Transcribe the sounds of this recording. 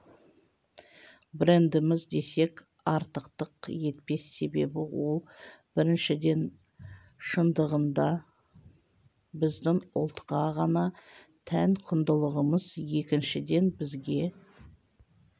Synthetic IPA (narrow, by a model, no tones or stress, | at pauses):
bɾe̞nd̪ɪmɪzd̪e̞se̞kʲ | ɑɾt̪əqt̪əqje̞t̪̚pe̞sːe̞be̞̰bɪwo̞lˠb̥ɪɾɪnʃɪd̪e̞n | ʃənd̪əʁənd̪ɑ | bɪzd̪ɪŋʊ̰lˠt̪qɑʁɑnɑ | t̪ʰæŋqʰʊnd̪əlˠəʁəməzje̞kʲɪnʃɪd̪e̞nbɪzɡʲe̞